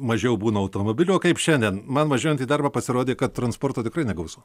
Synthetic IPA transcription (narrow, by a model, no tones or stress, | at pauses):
mɐʒʲɛʊbuːnɐɐʊt̪oːmobʲɪlʲʊoːkɐɪpʃʲɛnʲd̪ʲɛnmɐnʋɐʒʲoːjɛnt̪iːd̪ɐrbɐpɐsʲɪɾoːd̪ʲeːkɐt̪t̪rɐnspoːrt̪oːt̪ʲɪkrɐɪnʲɛɡɐʊsuː